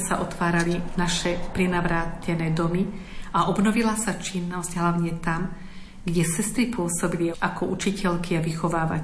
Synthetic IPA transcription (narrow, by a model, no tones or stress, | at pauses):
saʔɔt̪ʋaːɾalinaʃɛpɾɛnaʋɾaːcɛnɛːd̪ɔmi | aʔɔbnɔʋilasat͡ʃinːɔzɟɦlaʊɲɛt̪am | ɡɟɛsɛst̪ɾipʊɔsɔbiliʔakɔut͡ʃicɛʎkiaʋixɔʋaːʋa̰c